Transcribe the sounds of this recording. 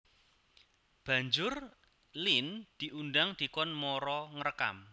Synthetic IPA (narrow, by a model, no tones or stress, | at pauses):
b̥a̤ɲd͡ʒʊr | lind̪̥i̤ʔundaŋd̪̥i̤kɔnmɔɾɔŋərəka̰m